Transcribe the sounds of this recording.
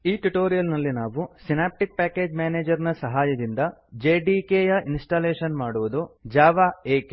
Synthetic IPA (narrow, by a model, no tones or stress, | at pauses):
iːʈuʈo̞ːɾijɐlnɐlːinaːʋusinaːp̚ʈik̚paːke̞ːd͡ʒmaːneːd͡ʒɐɾnɐsɐɦaːjɐd̪ind̪ɐd͡ʒeːɖikeːjɐʔinsʈaːleːʃɐnmaːɽuʋud̪ud͡ʒaːʋaːeːk